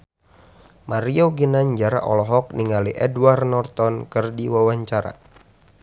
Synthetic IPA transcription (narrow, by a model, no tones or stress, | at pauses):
maɾioɡinaɲd͡ʒaɾa̰ʔɔ̰lɔɦɔk̚niŋaliʔɛdwarnɔrt̪ɔnkɨrdiwawaɲt͡ʃaɾa̰